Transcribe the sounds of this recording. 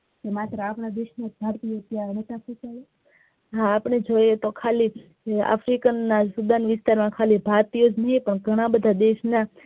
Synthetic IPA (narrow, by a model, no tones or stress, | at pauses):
kemat̪ɾəapɳad̪eʃneb̪ʱaɾt̪iot̪janet̪asũt͡ʃale | ɦãːpɳ̃ed͡ʒojet̪okʰali | a̰fɾikənːasud̪anʋɪst̪aɾmãkʰalibʱaɾt̪ijod͡ʒnəɦĩpəɳɡʱəɽ̃ãbəd̪ʱad̪eʃna